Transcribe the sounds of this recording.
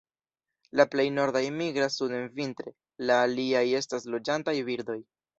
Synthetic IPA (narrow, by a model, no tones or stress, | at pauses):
laple̞jno̞ɾdajmiɡɾasude̞nvintɾe̞ | laːliaje̞staslo̞d͡ʒantajviɾd̪o̞j